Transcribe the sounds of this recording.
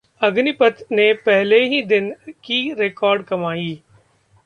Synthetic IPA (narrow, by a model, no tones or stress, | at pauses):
ɐɡnɪpət̪nepɛɦleɦid̪ɪnkiɾekɔːɾɖkɐmaːiː